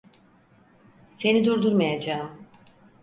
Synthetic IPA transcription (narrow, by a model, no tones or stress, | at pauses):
se̞nid̪uɾd̪uɾmajad͡ʒaːm